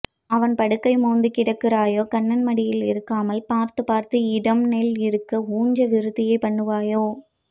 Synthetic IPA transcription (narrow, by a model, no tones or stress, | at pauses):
ɐʋɐnpɐɽɯkːɐɪmoːnd̪ɯkɪɽɐkːɪɾaːjoːkɐɳːɐnmɐɽɪjɪlɪɾɯkːaːmɐlpaːɾt̪ɯpaːɾt̪ɯɪɽɐmnɛlɪɾɯkːɐuːɲd͡ʒɐʋɪɾɯðɪjɐɪpɐɳːɯʋaːjoː